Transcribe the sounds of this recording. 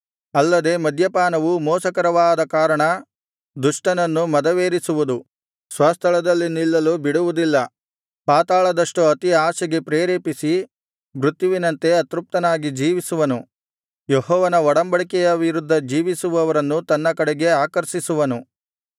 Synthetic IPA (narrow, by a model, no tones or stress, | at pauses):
ɐlːɐd̪e̞mɐd̪ʱjɐpaːnɐʋumɔːsɐkɐɾɐʋaːd̪ɐkaːɾɐɳɐ | d̪uʂʈɐnɐnːumɐd̪ɐʋeːɾisuʋud̪u | sʋɐst̪ʰɐɭɐd̪ɐlːinilːɐlubiɽuʋud̪ilːɐ | paːt̪aːɭɐd̪ɐʂʈuɐt̪iaːʃɐɡe̞pɾeːɾeːpisi | bɾut̪juʋinɐnt̪e̞ɐt̪ɾup̚t̪ɐnaːɡid͡ʒiːʋisuʋɐnu | jeɦɔːʋɐnɐɔɽɐmbɐɭikɛjɐʋiɾud̪ʱːɐd͡ʒiːʋisuʋɐʋɐɾɐnːut̪ɐnːɐkɐɽɛɡe̞aːkɐɾʃisuʋɐnu